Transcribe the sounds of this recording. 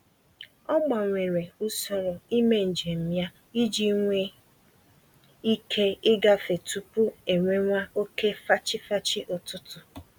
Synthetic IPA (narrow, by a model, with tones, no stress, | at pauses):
ɔ˦ɡ͡ba˨ŋʷe˨ɾe˨u˦sɔ˦ɾɔ˨i˦me˦n̩˨d͡ʒe˨m̩˦mja˦ | i˦d͡ʒi˦ŋʷe˦ | i˦kʰe˦ɪ˦ɡa˦fe˨tu˨pʊ˦e˨ŋʷe˦ŋʷa˦o˦ke˦fa˦t͡ʃɪ˦fa˦t͡ʃɪ˦ʔʊ˨tʊ˦tʊ˨